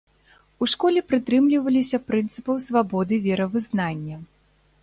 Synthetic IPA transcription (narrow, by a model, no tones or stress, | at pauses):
uʂkɔlʲɛpɾɨt̪ɾɨmlʲivɐlʲisʲɐpɾɨnt̪sɨpɐwsvabɔd̪ɨvʲɛɾɐvɨznanʲːɐ